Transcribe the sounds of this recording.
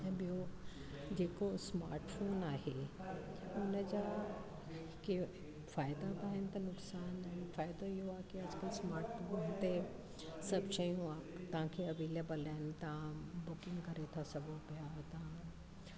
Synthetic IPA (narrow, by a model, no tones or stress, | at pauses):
t̪ɐbijo | d͡ʑeːkosma̰ːɾʈfʰoːnaːɦe | ʊnəd͡ʑa | ke | faːjd̪at̪aːɦɪnɪ̆t̪ɐnʊksaːnnfaːjd̪oiɦoakiɐd͡ʒkəlsmaːɾʈfʰoːnt̪e | sɐbʃəjũat̪ɐãkʰeɐʋeːleːbəlanɪt̪ãbʊkɪ̃ŋɡkɐɾet̪ʰasɐbopjat̪ã